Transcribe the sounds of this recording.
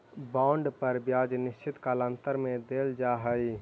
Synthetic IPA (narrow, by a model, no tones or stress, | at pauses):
bãːɳɖpəɾbjaːd͡ʒnɪʃt͡ʃɪt̪kaːlə̃nt̪əɾmẽd̪eːld͡ʒaːɦəi